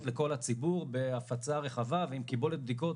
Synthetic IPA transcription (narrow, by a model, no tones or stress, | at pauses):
tle̞ko̞lat͡sibuʁbe̞afat͡saʁe̞χavaveimkibolet̪̚bd̪ik̬o̞